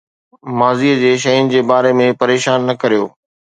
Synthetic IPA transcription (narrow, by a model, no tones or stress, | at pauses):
maːziːəd͡ʑeːʃ̬ɐjʊnɪ̆d͡ʑeːbaːɾemẽpɐɾeːʃaːnːɐkɐɾijo̰ː